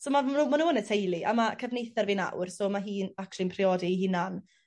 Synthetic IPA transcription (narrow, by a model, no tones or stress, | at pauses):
soːmanumanuːənətʰejlˠiʔa̰makʰəvnejθarvina̰wrsoːmaɦiːnaklˠinmpʰrɪɔːdiɦɪnan